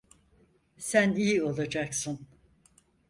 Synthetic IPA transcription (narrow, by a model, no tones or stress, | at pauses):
sænijio̞lˠad͡ʒaksɯn